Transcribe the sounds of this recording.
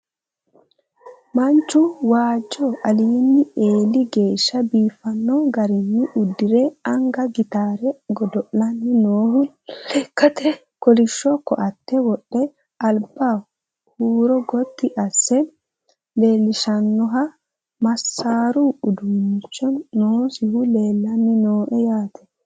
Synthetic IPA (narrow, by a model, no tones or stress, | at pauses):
mɐnt͡ʃːʊwaːd͡ʒːɔʔɐliːnːɪeːlːɪɡe̞ːʃːɐbiːfːɐnːɔɡɐɾɪnːɪʔʊd̪ːɪɾɛɐŋɡɐɡɪt̪aːɾɛɡɔd̪ɔʔlɐnːɪnoːhʊ | ɛkːɐt̪ɛ | kɔlɪʃːɔkːɔʔɐt̪ːɛwɔɗːɛ | ɐlba | huːɾɔɡɔt̪ːɪʔɐsːɛ | be̞ːlːɪʃɐnːɔɦɐ | mɐsːaːɾuʊd̪unɪt͡ʃːɔːoːsɪhʊleːlːɐnːɪnoːʔɛjaːt̪ʰɛ̥